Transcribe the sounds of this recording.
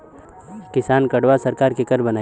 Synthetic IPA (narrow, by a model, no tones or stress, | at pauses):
kɪsaːnkɐɽʋasɐɾkaːɾkekɐɾbɐnaː